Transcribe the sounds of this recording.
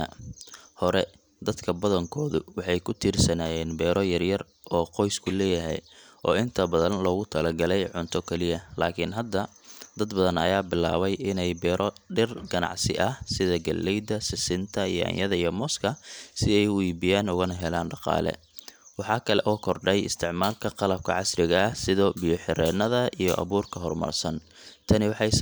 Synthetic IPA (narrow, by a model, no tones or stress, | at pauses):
hɔɾɛ | d̪ɐd̪kʰɐbɐðɐŋkʰɔːðʊwɑħɑjkʰʊt̪ʰiːrsɐnaːjɛːnbɛːɾɔjɐrjɐr | ɔːqɔjskʰʊlɛːjɐɦɛ̰jʔɔːɪnt̪ʰɐbɐðɐnlɔːɣʊt̪ʰɐlɐɡɐlɛjʕʊnt̪ʰɔkʰɛlɪjɐlaːkʰɪnɦɐd̪ːɐd̪ɐd̪bɐðɐnɐ̰jaːbɪla̰ːβɛjɪnɛjbɛːɾʔɔɖɪrɡɐnɑ̰ʕsɪ̰ʔɐhsɪðɐɡɐlːɛjd̪ɐsɪsɪnt̪ʰɐijɔɐ̰jɐðɐijɔmɔskʰɐsɪɛjwiːbɪjaːnʊɣɐnɐɦɛlaːnɖɑqɑ̰ːlɛ̰ | wɑħɑːkʰɐlɛʔɔːkʰɔrɖɛjɪst̪ʰɪʕmaːlkʰɐqɑlɐb̚kʰɐ̰ʕɑsrɪɣɐɐhsɪðɔːbɪjɔħɪɾɛːnɐðɐʔijɔ̰ʔɐ̰βuːrkʰɐɦɔrmɐ̰rsɐn | t̪ʰɐnɪwɑħɑjs